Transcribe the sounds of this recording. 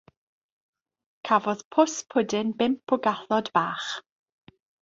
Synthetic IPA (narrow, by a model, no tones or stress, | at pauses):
kʰavɔð̥pʰʊspʰʊdɪnbɪmpʰʊɡaθɔdb̥aːχ